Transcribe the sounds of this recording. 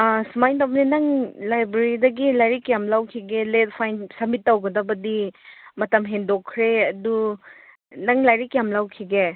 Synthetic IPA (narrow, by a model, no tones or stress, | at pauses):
sumajndawbninɐŋlajbɾeɾidɐɡilajɾikjamlawkʰiɡelet̚pʰajnsɐmitːawɡɐdɐbɐdimɐtɐmɦendokʰːɾeɐdu | nɐŋlajɾikjamlawkʰiɡe